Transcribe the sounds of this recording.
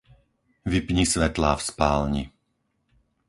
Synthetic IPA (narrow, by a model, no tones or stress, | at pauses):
ʋipɲisʋɛt̪laːfspaːlɲi